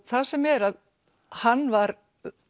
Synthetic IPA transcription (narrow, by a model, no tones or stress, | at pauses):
θasɛmɛɾað | hanːvaɾ